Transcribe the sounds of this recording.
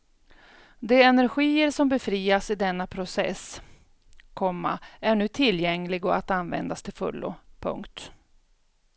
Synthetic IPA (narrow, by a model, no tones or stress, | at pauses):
d̪ɛɛnæɾɧiːəɾʂɔmbɛfɾiːasɪd̪ɛnːapʰɾʊsɛ̰s | kʰɔmːa̰æɳʉ̟ːt̪ʰɪljɛŋlɪɡɔat̪anvɛ̰nd̪ast̪ʰɪlfɵ̰lːʊ̰pʰɵ̰ŋkt̪